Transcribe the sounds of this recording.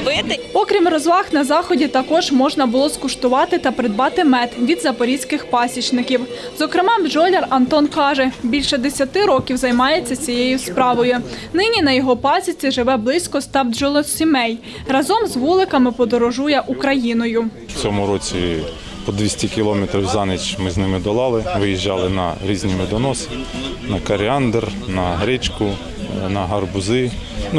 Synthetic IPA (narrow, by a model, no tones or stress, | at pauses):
ɪpɔkɾʲimrɔzʋˠɑxnɐzɑxɔdʲit̪ɐkɔʒmɔʒnɐbʊlˠɔskʊʃt̪ʊʋɑt̪ɪt̪ɐpɾɪd̪̚bɑt̪ɪmɛt̪ʋʲid̪zɐpɔɾʲisʲkɪxpɑsʲit͡ʃnɪkʲiw | zɔkɾɪmɑd͡ʒɔlʲerɐnt̪ɔnkɑʒɛbʲilʲʃɛd̪esʲɐt̪ɪɾɔkʲiwzɐjmɑjet͡sʲːɐt͡sʲijejʊspɾɑʋɔjʊ | nɪnʲinɐjɔɦɔpɑsʲit͡sʲiʒɪʋɛblˠɪsʲkɔst̪ɑwd͡ʒɔlˠɔsʲimɛj | rɐzɔmzʋulˠɪkɐmɪpɔd̪ɔɾɔʒujɛʔukɾɐjinɔjʊ̥ | t͡sʲɔmʊɾɔt͡sʲi | pɔd̪ʋʲisʲtʲikʲilˠɔmɛt̪ɾʲiwzɑnɪt͡ʃmɪznɪmɪd̪ɔlˠɑlˠɪʋɪjiʒːɑlˠɪnɐ̰ɾʲizʲnʲimɪd̪ɔnɔsɪ̥nɐkɐɾʲɪɑnd̪ernɐɦɾʲɪt͡ʃkʊ | nɐɦɐrbʊzɪn